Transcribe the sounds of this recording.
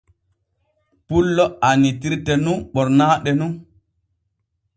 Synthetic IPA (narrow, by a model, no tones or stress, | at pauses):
pulːɔanitiɾtɛnunɓɔɾnaːɗɛnun